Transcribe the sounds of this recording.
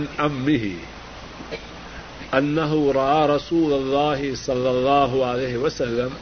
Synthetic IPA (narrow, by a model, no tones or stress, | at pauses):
nʕamːɪɦɪ̰ | ʔanːaɦʊɾˤɑʔaːɾˤɑsuːlalˤːɑːɦɪsˤɑlːɑlˤːɑːɦʊʕalajɦɪwasalːam